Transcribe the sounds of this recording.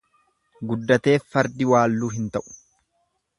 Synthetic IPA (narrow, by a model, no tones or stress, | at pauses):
ɡʊd̪ːɐt̪e̞ːfːɐɾd̪ɪwaːlːuːɦɪnt̪ɐʔʊ̥